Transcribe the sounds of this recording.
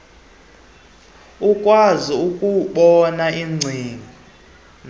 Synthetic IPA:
ukʼwaziukʼuɓɔnaʔiŋ͡ǀʱiːŋi

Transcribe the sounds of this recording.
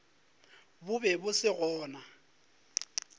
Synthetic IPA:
bʊbɛbʊsɪɣɔːna

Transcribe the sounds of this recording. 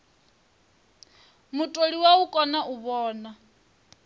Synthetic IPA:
mutʼoɺiwaukʼɔnaʔuβɔːna

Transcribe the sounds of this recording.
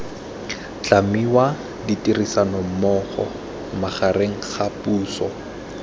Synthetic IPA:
t͡ɬamiwa | ditirisanɔm̩mɔːχɔ̰ | maχareŋ̩χapuːsɔ

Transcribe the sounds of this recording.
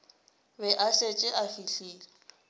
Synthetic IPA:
bɛʔaɬet͡ʃʼɪʔafiɬiːlɛ

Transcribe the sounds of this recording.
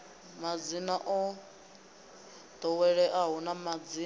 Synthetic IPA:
mad͡zinaʔɔ | d̪̥ɔwɛɺɛʔaɦunamad͡zi

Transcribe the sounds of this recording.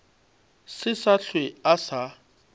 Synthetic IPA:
sɪsaɬʰweasa

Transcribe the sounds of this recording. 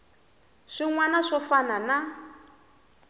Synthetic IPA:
ʂiŋwanaʂɔfanana

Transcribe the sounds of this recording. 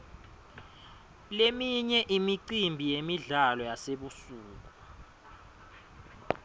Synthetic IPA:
lemiɲɛʔimiǀimbʱijemiɮalɔjaseɓusuːk̬u

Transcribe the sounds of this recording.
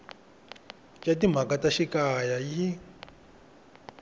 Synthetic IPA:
catim̤akataʃikajaji

